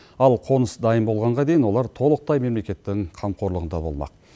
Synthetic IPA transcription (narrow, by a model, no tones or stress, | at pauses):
ɑlˠqʰo̞nəsd̪ɑjəmbo̞lˠʁɑɴʁɑd̪e̞jɪnwo̞lˠɑɾt̪ʰo̞lˠəq̚t̪ɑjme̞mle̞kʲe̞t̪ːɪŋqʰɑmqʰo̞ɾlˠəʁənd̪ɑbo̞̰lˠmɑ̰q̚